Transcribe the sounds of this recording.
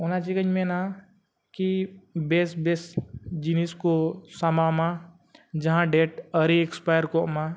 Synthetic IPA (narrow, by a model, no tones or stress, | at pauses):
onat͡ʃikə̃ɲmẽna | kibeːsbeːsd͡ʒiniskosamamã | d͡ʒɐɦãɖeːʈəɾiekspaːjəɾkoma